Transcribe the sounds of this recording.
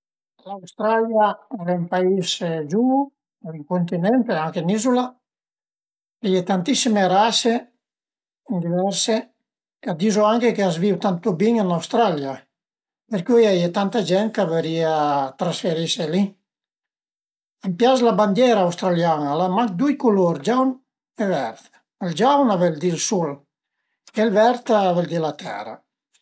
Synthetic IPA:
lawst̪ɾaljaɛɾaimpaisd͡ʒu | iŋkunt̪inɛnt̪eaŋkenizula | ajet̪ant̪isimeɾase | nd̪ivɛɾse | kad̪izoaŋkekeazviwt̪ant̪obiɲanawst̪ɾalja | peɾkujajet̪ant̪ad͡ʒɛn̚kaveɾiat̪ɾasfeɾiseli | ampjaslaband̪jɛɾaawst̪ɾaljanalamaŋk̚d̪ujkuloɾd͡ʒawn | evɛɾt̪ | eld͡ʒawnavɛld̪ilsul | elvɛɾt̪aavɛld̪ilat̪ʰɛ̰ɾa̰

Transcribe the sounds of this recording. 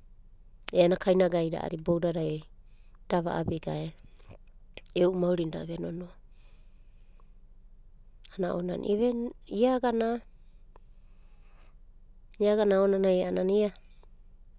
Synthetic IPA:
eanakʰajnaɡajɾa̰ʔa̰ɾibowɾaɾajo | d̥aβa̰ʔabeɡae | ewʔumauɾinda̰βenono | anaʔo̰na̰nʔiβeiaɡana | iaɡanaonanajanania

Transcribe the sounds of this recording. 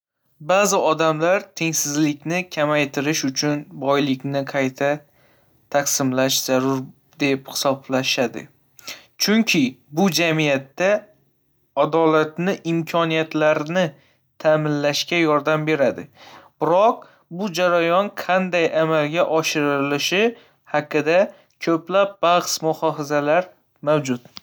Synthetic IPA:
bazɪɒd̪amlaɾt̪ʰe̞ŋsɪzlɪkʲnɪkʲʰamajt̪ʰɪɾɪʃʊt͡ʃʰʊnbɒjlɪkʲnɪqʰɑjt̪ʰa | t̪ʰaqsɪmlaʃz̥aɾʊɾ | d̪e̞phɪ̥sɒblaʃad̪ɪ̰ | t͡ʃʰʊŋkʲʰɪbʊd͡ʒamijat̪ːa | ad̪ɒlat̪nɪʔɪmkʰɒnijat̪laɾnɪ | t̪ʰamɪnlaʃkʲajɒɾd̪ambe̞ɾad̪ɪb̥ɪɾɒq̚ | bʊd͡ʒaɾajɒnqʰɑnd̪ajʔamalɡʲaʔɒʃɪɾɪlɪʃɪ | haqːɨd̪a | kʰɵplap̚bɑχsmʊhɒfazalaɾ | mawd͡ʒʊt̪

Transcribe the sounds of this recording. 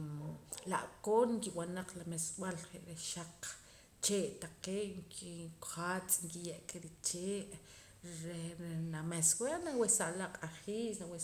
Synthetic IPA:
la̰ʔkoːnŋkiwanaq͡χlameswalχeʔɾeʃaq͡χ | t͡ʃeːʔt̪aqeːʔŋkʰikχat͡sŋkijeʔkʼeɾit͡ʃeːʔ | ɾenameswenawesaʔlaʔqʼaχiːsnawe

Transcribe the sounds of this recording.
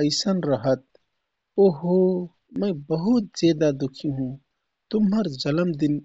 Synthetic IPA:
əɪsənɾəɦət̪̚ | oɦo | mə̃bəɦʊt̪̚zeːd̪ad̪ʊkʰiɦũ | t̪ʊmɦəɾd͡ʒɐləmd̪ɪn

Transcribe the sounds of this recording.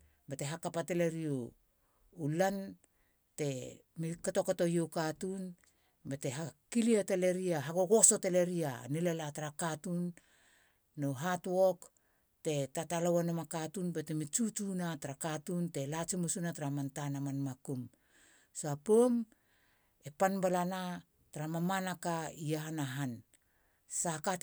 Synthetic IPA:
bate̞ɦakapatele̞ɾio | ulan | te̞ | mikato̞koto̞jokatun | bate̞ɦakiliatele̞ɾiaɦaɡoɡoso̞tele̞ɾianelelataɾakatunː | oɦatuok | te̞tatalowanomakatunbetemit͡ʃut͡ʃunataɾakatunte̞lat͡ʃimusunataɾamantanamanmakum | sapom | epanbalana | taɾamamanakaiaɦanaɦan | saka

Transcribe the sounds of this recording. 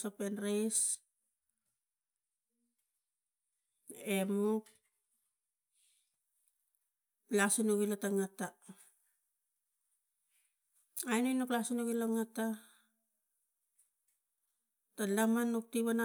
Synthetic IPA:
sopenɾes | emuk̚ | lasinuɡilataŋata | ajnenuklasinuɡilaŋata | talamanuk̚tiβana

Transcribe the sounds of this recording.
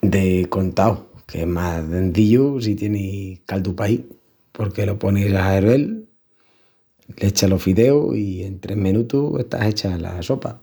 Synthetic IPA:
d̪e̞ko̞nt̪awkʰeemaðe̞nθiʎus̬it̪je̞nekald̪upai | po̞ɾke̞lo̞po̞nesaɦaeɾe̞l | let͡ʃalo̞fiðe̞oie̞nt̪ɾe̞hmĩnut̪uḛht̪a̰se̞t͡ʃala̰so̞pa

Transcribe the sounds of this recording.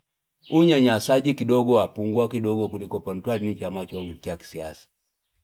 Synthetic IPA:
uɲaɲasaɟikidɔɡɔwapuŋɡwakidɔɡɔkulikɔpɔn̩twalinit͡ʃamat͡ʃɔɡukiaki̥sia̰sḁ

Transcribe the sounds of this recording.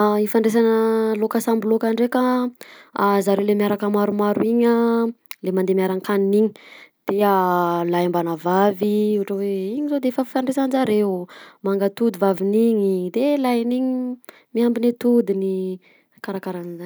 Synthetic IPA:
ifaɳɖ͡ʐes̬anəlokasambulokaɳɖ͡ʐeka | zaɾelemiaɾakamaɾumaɾuiɲalemand̪emiaɾankaniniɲi̥d̪̥ealajambanavaviuuʈ͡ʂəweiɲizod̪eefəfifaɳɖ͡ʐesand͡ʒaɾemaŋɡat̪ud̪ivaviniɲid̪elajniɲi | miambinet̪ud̪ini | kaɾakaɾanizan

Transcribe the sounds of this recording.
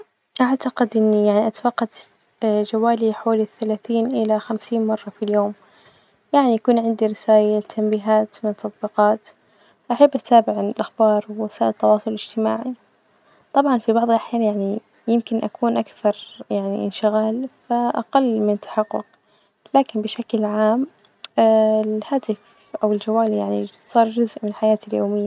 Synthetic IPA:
ʔaʕt̪aqɪd̪ʔɪnːijaʕniʔat̪awɑqːɑd̪ | d͡ʒawaːliħawaːliθːalaːθiːnʔɪlaxamsiːnmɑrˤːɑfiljoːm | jaʕniʔakuːnʕɪnd̪iɾɪsaːjat̪ʰːambiːɦaːt̪mɪnt̪ːɑt̪ˤbiqɑːt̪ | ʔaħabːʔat̪aːbɪʕanɪlʔaxbɑːɾˤwwasaːʔɪlt̪ːɑwɑːsˤʊlɪd͡ʒt̪ɪmaːʕi | t̪ˤɑbʕɑnfibɑʕðˤɑlʔaħjaːnjaʕni | jɪmkɪnʔakʰuːnʔakθɑɾˤjaʕnḭʔɪ̰nʃɪɣaːlfaʔaqalːmɪnt̪ʰːḁħɑqːʊ̰q | laːkɪnbɪʃaklʕaːm | haːt̪ɪf | ʔawɪld͡ʒawaːlijaʕnḭsˤɑːɾˤd͡ʒʊzʔmɪnlħajaːt̪aljoːmɪjːa

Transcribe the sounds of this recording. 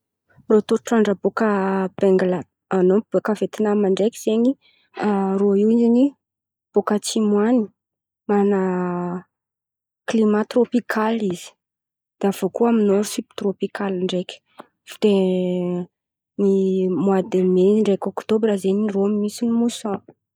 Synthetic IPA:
rot̪oɾʈ͡ʂaɳɖ͡ʐəbokəb̥ɛŋɡla | anobokavet̪inamaɳɖ͡ʐekiz̥eɲi | aroiwizini | b̥okət͡simwani̥ | mana | klimat̪ropikʰalizi̥ | d̪̥av̥okuaminoɾusibt̪ropikalaɳɖ͡ʐekʲə̥ | fi̥t̪e | nimwad̪emeɳɖ͡ʐekʲokt̪obɾazeɲiroamimisinimusɔ̃

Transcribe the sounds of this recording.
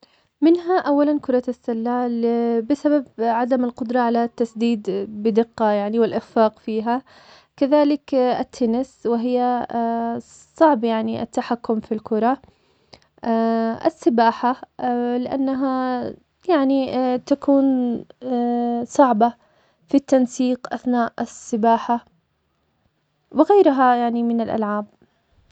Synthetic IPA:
mɪnɦaʔawːalankʊɾˤɑɪsːalːaːlbɪsababʕad̪amɪlqʊd̪ɾˤɑʕalat̪ːasd̪iːd̪bɪd̪ɪqːɑjaʕniwɪlʔɪffɑːqfiːɦa | kaðaːlɪkɪt̪ʰːɪnɪswɪɦɪjːa | sˤɑʕbjaʕniʔɪ̰t̪ːaħakːʊmfilkʊɾˤɑ | ʔɪ̰sːɪbaːħalɪʔa̰nːaɦa | jaʕnit̪akuːn | sˤɑʕba | fit̪ːansiːqʔaθnaːʔasːɪbaːħa | wɪɣajɾɦajaʕnimɪnalʔa̰lʕaːb̚

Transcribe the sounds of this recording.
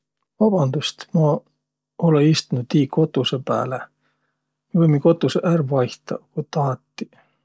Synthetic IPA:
vɑb̥ɑnd̪̥ust̪mɑ | oleist̪unud̪iːko̞t̪ːˑusepæ̰ːle | vojmiko̞t̪ːˑuseʔærvɑjht̪ɑ̰kut̪ɑːt̪ːi̥

